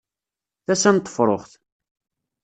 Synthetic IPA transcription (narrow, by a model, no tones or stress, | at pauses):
θæsænt̪ˤːə̥fɾˤoχθ